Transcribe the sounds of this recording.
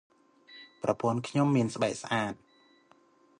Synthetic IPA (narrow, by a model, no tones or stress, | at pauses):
prɑpuənkʰɲomːiənsɓaɛk̚sʔaːt̪̚